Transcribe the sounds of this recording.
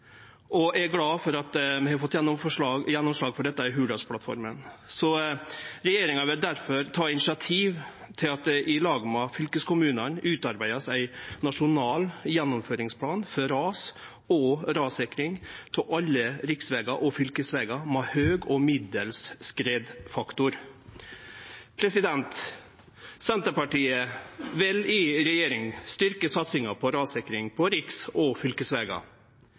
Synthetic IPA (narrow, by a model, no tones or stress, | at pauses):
ʔɔæɡlɑːfɔɾɑt̪mɛhɑɾfɔt̪ːjɛnːɔmfɔʂɑjɛnːɔmsʂɭɑːɡfɔɖɛt̪ːɑɪɦʉːɖɑspʰlɑt̪fɔ̰ɾmə̰nsɔ | ɾɛjeːɾɪŋɑʋɪld̪æɾfɔɾt̪ʰɑːɪnɪʂɪɑt̪ʰiːʋ | t̪ʰɪlɑt̪̚d̪ɛʔɪlɑːɡmɑfʏlkəskʰʊmʉːnɑnʉːt̪ɑɾbæɪɑsæɪnɑʂʊnɑːljɛnːɔmføːɾɪŋspʰlɑːnfɔɾɑːs | ɔɾɑːsɪkɾɪŋt̪ʰɪʔɑlːəɾɪksʋeːɡɑʔɔfʏlkəsʋeːɡɑmɛhøːɡɔmɪd̪əlsːkɾeːd̪fɑkt̪ʊɾ | pʰɾɛsɪd̪ɛnt̪ | sɛnt̪əpɑʈiːəʋɪlɪɾɛjeːɾɪŋst̪ʏɾkəsɑt̪sɪŋɑpʰɔɾɑːsɪkɾɪŋpʰɔɾɪksɔfʏlkəsʋeːɡɑ̰